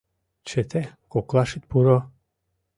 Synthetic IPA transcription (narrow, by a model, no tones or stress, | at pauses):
t͡ʃet̪ʰekoklˠaʃit̪̚puɾɔ